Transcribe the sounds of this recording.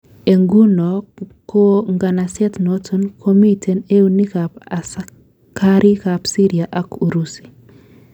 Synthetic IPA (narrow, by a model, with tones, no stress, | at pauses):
e˨ŋɡu˦no˨ko˦ŋɡa˨na˨sɛ˦tno˦tu˦nkʰo˦mi˦tʰe˨ne˦u˦ni˦kapas | kʰa˦ɾʔi˦kapsi˦ɾi˨aʔa˦ku˨ɾusi̥˨